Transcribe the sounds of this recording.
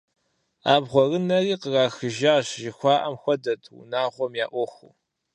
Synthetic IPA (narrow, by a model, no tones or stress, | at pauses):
aːbʁʷɔrɨnɐriːqəraːxɨʒaːɕʒɪxʷɑːʔɐmxʷɔdɐtʰṵnaːʁʷɔmjaːʔʷɔxṵ